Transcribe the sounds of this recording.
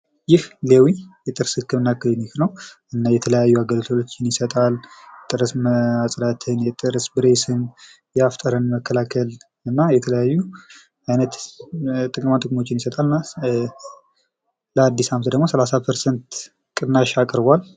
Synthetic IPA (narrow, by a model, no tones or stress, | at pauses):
jɪhlewijɛt̪ʼɨɾsɨkːɨmɨnːakːɨlnihnəw | ɨnːajɛt̪ʰələjajːuaɡəlt̪ʰoot͡ʃːɪnjɪsət̪ʼalt̪ʼɨɾəsməasʼlat̪ʰɨnjɛt̪ʼɨɾəsbɨɾe̞sɨm | jɛaft̪ʼəɾənməkːəlakʰəl | ɨnːajɛt̪ʰələjajːu | ajnət̪ | t̪ʼɨkʼɨmant̪ɨkʼmo̞t͡ʃːɪnjɪsət̪ʼalɨnːa | ləad̪ːisamət̪d̪əɡmo̞səlasapʰəɾsent̪ | kʼɨnːaʃakʼɾbal